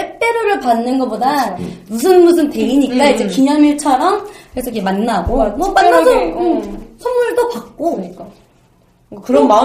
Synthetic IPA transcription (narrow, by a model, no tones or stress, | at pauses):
aɭt͈e̞ɾoɾɯɭpanːɯnɡʌpodamus̬ʰɯnmus̬ʰɯmtwe̞iɲik͈aid͡ʑe̞kiɲʌmjiɭt͡ɕʰʌɾʌmkesʰoɡemanːaɡomʌp͈anːad͡ʑo | sʰʌmːuɭdopak̚k͈oɲik͈a | kkɯɾʌa